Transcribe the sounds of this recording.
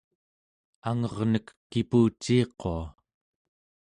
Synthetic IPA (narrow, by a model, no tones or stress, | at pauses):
aŋʌʁnəkːipuːt͡ʃːiːqoa